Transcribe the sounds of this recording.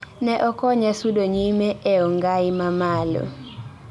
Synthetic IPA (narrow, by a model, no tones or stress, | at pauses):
nɛʔɔkɔɲasudoɲimeeɔŋɡaɪmamalo̰